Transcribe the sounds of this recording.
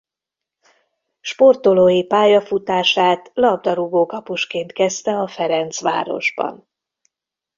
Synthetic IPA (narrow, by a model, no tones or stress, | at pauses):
ʃpo̞rt̪oloːjipaːjɒfut̪aːʃaːt̪lɒbd̪ɒɾuɡoːkɒpuʃkeːnt̪kɛst̪ɛɒfɛɾɛnt̪sʋa̰ːɾo̞̰ʒbɒ̰n